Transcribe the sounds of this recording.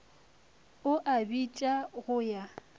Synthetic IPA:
ʊʔabit͡ʃʼaɣʊja

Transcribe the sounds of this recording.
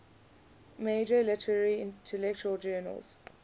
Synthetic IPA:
meːd͡ʒəlɪtʰəɹɹiɪ̃ntʰɛlɛk̚t͡ʃuəld͡ʒɜːnə̰lz̥

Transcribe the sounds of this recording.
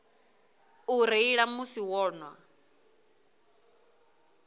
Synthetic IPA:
uɾeiɺamusiwɔːnwa

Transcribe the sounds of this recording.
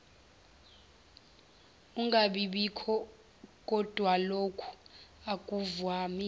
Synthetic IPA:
uŋɡaɓiɓikʰɔ | k̬ʼɔd̥ʱwalokʰu̥akʼuvwaːmi

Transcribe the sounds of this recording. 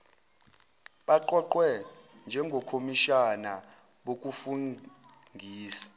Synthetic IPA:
ɓaǃɔǃwɛ | nd͡ʒʱɛŋɡʱokʰomiʃana | ɓok̬ʼufuŋ | ŋɡʱiːsḁ

